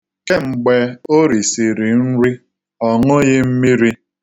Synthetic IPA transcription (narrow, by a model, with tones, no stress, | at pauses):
ke˦ŋ͡m̩˨ɡ͡be˨o˦ɾi˨si˨ɾi˨n̩˦ɾi˦ | ɔ˨ŋʊ˦ɣe˦m̩˦mi˦ɾi˦